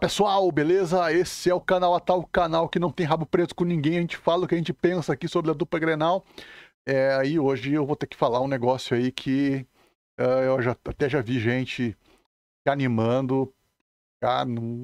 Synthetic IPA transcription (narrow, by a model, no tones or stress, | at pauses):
pesuawbelezɐesɪɛʊkanawat̪awkanawkɪnɐ̃w̃t̪ẽj̃ɦabʊpɾezʊ̥kõnĩɡẽj̃ɐʒẽnt͡ʃɪ̥falɐʊkɪɐʒẽnt͡ʃɪpẽsɐaːkisobɾɪɐd̪upɐɡɾenaw | ɛɪoʒɪewvot̪ekɪ̥falaũneɡɔsjʊaikʰɪ | ɛewʒaat̪ɛʒaviʒẽnt͡ʃɪ | animɐ̃d̪ʊ | ka̰nɐ̃w̃